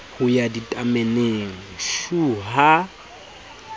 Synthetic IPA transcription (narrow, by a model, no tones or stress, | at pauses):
hʊjaditʼameneŋ̩ʃuɦa